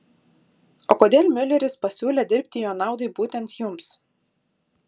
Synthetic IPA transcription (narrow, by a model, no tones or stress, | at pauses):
oːkoːd̪ʲeːlʲmʲʊlʲɛɾʲɪspɐsʲuːlʲeːd̪ʲɪɾʲpʲt̪ʲɪjoːnɑˑʊd̪ɐɪbuːt̪ʲɛnt̪jʊms